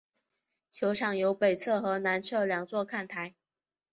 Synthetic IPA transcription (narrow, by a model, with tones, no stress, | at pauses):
t͡ɕʰjo˧˥ʊʈ͡ʂʰɑ˨˩ŋjo˧˥ʊpe˨˩ɪt͡sʰɤ˥˩xɤ˧˥na˧˥nt͡sʰɤ˥˩ljɑ˨˩ŋt͡swɔ˥˧kʰa˥˩nt̪ʰa˧˥ɪ